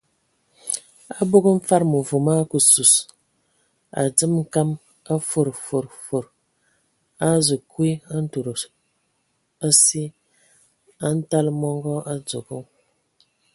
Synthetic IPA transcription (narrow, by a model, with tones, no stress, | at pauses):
a˦bo˦ɡə˦m̩˦fa˦ɾmu˨vu˨ma˦ku˨su˨s | a̰˨d͡zɨ˦mŋ̩˦ka˦m | a˦fo˨ɾfo˨ɾfo˨ɾ | a˦zə˨kwi˦a˦n̩˦tu˨ɾ | a˦si˦ | a˦n̩˦ta˦lmɔ˦ŋɡɔ˦ʔa˦d͡zo˨ɡu˦ŋ